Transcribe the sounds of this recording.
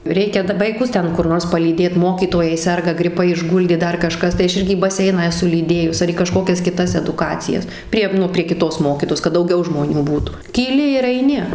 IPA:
ˈrʲɛɪkʲɛ dɐ ʋɐɪˈkʊs ˈtʲɛn kʊr ˈnoːrs pɐlʲiːˈdʲeːt ˈmoːkʲiːtoːjɛɪ ˈsʲɛrɡɐ ɡrʲɪˈpɐɪ ɪʒˈɡʊlʲdʲeː ˈdɐr kɐˈʃkɐs tɐɪ ˈɐʃ ˈɪrʲɡʲɪ iː bɐˈsʲɛɪnɑː ɛˈsʊ lʲiːˈdʲeːjʊs ɐr iː kɐˈʃkoːkʲɛs kʲɪˈtɐs ɛdʊˈkɑːt͡sʲɪjɛs ˈpʲrʲiɛ nʊ pʲrʲiɛ kʲɪˈtoːs ˈmoːkʲiːtoːjoːs kɐt dɐʊˈɡʲɛʊ ʒmoːˈnʲuː ˈbuːtuː kʲiːˈlʲɪ ɪr ɐɪˈnʲɪ

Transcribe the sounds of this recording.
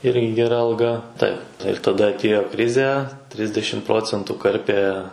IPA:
ˈɪrʲɡʲɪ ɡʲɛˈrɐ ɐlˠˈɡɐ ˈtɐɪp ɪr tɐˈdɐ ɐtʲˈeːjoː ˈkrʲɪzʲɛ ˈtʲrʲɪzʲdʲɛʃʲɪm ˈproːt͡sʲɛntuː ˈkɐrʲpʲeː

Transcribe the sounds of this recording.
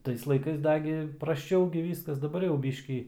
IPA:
ˈtɐɪs lˠɐɪˈkɐɪs ˈdɑːɡʲɪ prɐsˈt͡ʃɐʊ ɡʲɪ ˈʋʲiːskɐs dɐˈbɐr jɛʊ ˈbʲiːʃʲkʲiː

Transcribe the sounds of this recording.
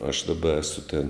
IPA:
ɐʃ dɐˈbɐ ˈæːsʊ tʲeːn

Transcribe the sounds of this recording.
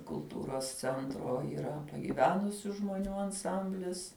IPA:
kʊlˠˈtuːroːs t͡sʲɛnˈtroː iːˈrɐ pɐɡʲiːˈʋʲæːnʊsʲʊ ʒmoːˈnʲuː ɐnˈsɐmʲbʲlʲɪs

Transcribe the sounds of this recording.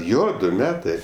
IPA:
ˈjoː ˈdʊ ˈmʲæːtɜ

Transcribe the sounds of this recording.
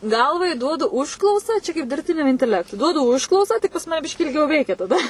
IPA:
ˈɡɐlˠʋɐɪ ˈduɔdʊ ʊʃˈklˠɐʊsɐ ˈt͡ʃʲɛ kɐɪp dʲɪrʲpʲˈtʲɪnʲɛm ɪnʲtʲɛˈlʲæːktʊɪ ˈduɔdʊ ˈʊʃklˠɐʊsɑː tʲɪk pɐs ˈmɑːnʲɛ ˈbʲɪʃʲkʲiː ɪlʲˈɡʲɛʊ ˈʋʲɛɪkʲɛ tɐˈdɐ

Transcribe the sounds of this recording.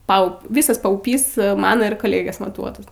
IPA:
ˈpɐʊ ˈʋʲiːsɐs pɐʊˈpʲiːs ˈmɑːnoː ɪr koːˈlʲeːɡʲeːs mɐˈtuɔtɐs

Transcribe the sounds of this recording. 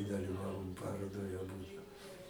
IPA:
dɐlʲɪˈʋɑːʋoːm ˈpɑːroːdoːj ɐˈbʊdʊ

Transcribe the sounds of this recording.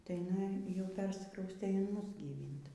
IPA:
tɐɪ jɪˈnɐɪ jɛʊ ˈpʲɛrʲsʲɪkrɐʊsʲtʲeː ɪn ˈmʊs ɡʲiːˈʋʲiːnt

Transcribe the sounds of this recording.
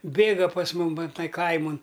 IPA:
ˈbʲeːɡɐ pɐs ˈmʊm ˈʋɐ ˈtɐɪ ˈkɐɪmoːn

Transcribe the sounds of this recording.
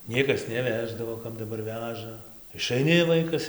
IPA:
ˈnʲiɛkɐs nʲɛˈʋʲæːʒdɐʋoː kɐt dɐˈbɐr ˈʋʲæːʒɐ ɪʃɐɪˈnʲɪ ˈʋɐɪkɐs

